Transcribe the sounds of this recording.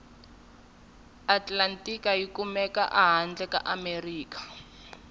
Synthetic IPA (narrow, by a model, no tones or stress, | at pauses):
atlantʼikajikumɛka̰ʔaɦand͡ɮɛka̰ʔameriːk̬ḁ